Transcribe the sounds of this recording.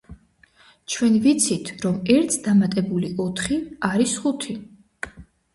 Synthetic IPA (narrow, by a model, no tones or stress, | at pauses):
t͡ʃʰwɛnvit̪sʰit̪ʰɾɔmɛɾt̪ʰd̪amat̪ʼɛbuliʔɔt̪ʰχiaɾisχut̪ʰi